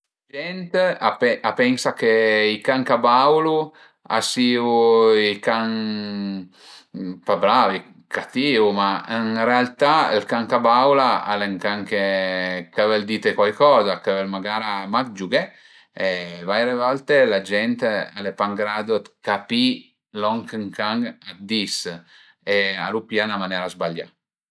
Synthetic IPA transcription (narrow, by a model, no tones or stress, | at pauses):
ad͡ʒɛnt̪apeʔapɛnsakeikaŋkabawlu | a̰siːuikaŋ | pabɾavi | kat̪iːvumainrealt̪ailkaŋkabawlaa̰leŋkaŋkekavɛld̪iːt̪ekwajkɔːzakavɛlmaɡaːɾamak̚d͡ʒuɡɛ | evajɾevɔlt̪elad͡ʒɛnt̪ealepaŋɡɾad̪ot̪kapi | lɔŋkəŋkaŋad̪is | ea̰lupjanamanɛːɾazbaʎːa̰